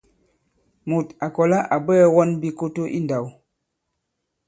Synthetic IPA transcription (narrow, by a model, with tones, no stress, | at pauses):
mu˨ta˨kɔ˨la˦ʔa˨bɛ˦wɔ˦nbi˦ko˦to˦ʔḭ˦nda˨w